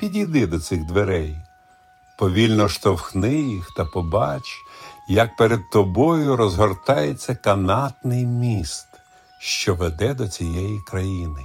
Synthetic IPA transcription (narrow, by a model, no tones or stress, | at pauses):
pʲidʲijd̪ɪd̪ɔt̪sɪɣd̪ʋeɾɛj | pɔʋʲilʲnɔʃt̪ɔwxnɪjixt̪ɐpɔbɑt͡ʃjɐk̚peɾed̪̚t̪ɔbɔjʊɾɔzɦɔrt̪ɑjet͡sʲːɐkɐnɑt̪nɪjmʲist̪ | ʃt͡ʃɔʋed̪ɛd̪ɔt͡sʲijɛjikɾɐjinɪ